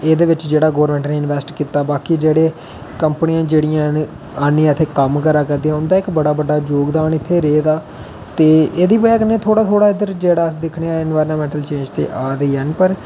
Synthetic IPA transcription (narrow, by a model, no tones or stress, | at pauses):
eːd̪eːʋɪt͡ʃd͡ʒeːɽaːɡoːʋəɾmɛ̃ːɳʈneːɪnʋɛːsʈkiːt̪aːbaːkid͡ʒeːɽeː | kəmpəniãːd͡ʒeːɽijãː | aːnːẽãt̪ʰːeːkəmkəɾaːkəɾd̪iãːʊnd̪aːɪkbəɽaːbəɖːaːd͡ʒoːɡd̪aːnɪt̪ʰːeːɾeːd̪aː | t̪eːeːd̪iːpɛːkənẽːt̪ʰoːɽaːt̪ʰoːɽaːɪd̪əɾd͡ʒeːɽaːəsd̪ekʰɽeːaːɪnʋaːɾnaːmɛ̃ːɳʈəlt͡ʃẽːd͡ʒt̪ḛːʔaːd̪əiːɦənpəɾ